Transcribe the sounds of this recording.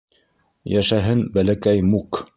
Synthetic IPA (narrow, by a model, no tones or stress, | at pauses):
jæʃæɦɘnbælækæjmuk